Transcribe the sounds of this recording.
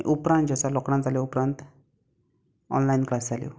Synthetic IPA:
ʔupɾãnt̪d͡ʑasalɔkɽãnd͡zaljɔupɾãnt̪ | ɔ̰nlainklasd͡zʱaljo̰

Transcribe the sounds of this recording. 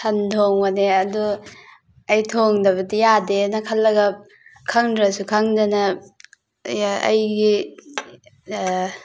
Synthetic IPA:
sʰɐntʰoŋmaneɐdu | ɐjtʰoŋdɐbɐtijadenɐkʰɐlːɐɡɐ | kʰaŋdɾɐsukʰaŋdɐnɐ | ɐ̰jɡi

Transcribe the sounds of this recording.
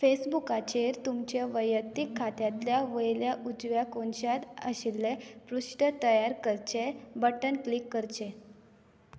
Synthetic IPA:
fesbukat͡ɕeɾt̪umt͡ɕjaʋəjət̪ːikʰːat̪jat̪ljaʋəjljaʔud͡zʋjakonɕat̪əɕilːepɾuʂʈət̪əjaɾkəɾt͡ɕebəʈənklikːəɾt͡ɕe

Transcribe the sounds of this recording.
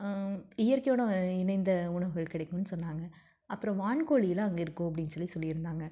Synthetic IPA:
ɪjɐɾkɐɪjoːɳõɪnɐɪnd̪ɐʊɳɐʋɯɣɐɭkɪɽɐɪkːʊ̃nːɯsɔnːaːŋɡɐ | ɐpːɯɾɔ̃ʋaːɳkoːɭɪjɐlãːɐŋɡɐɪɾɯkːʊ̃ɐp̬ːɐɽɪnːɡsɔlːisɔlːɪɪɾɯnd̪aːŋɡɐ

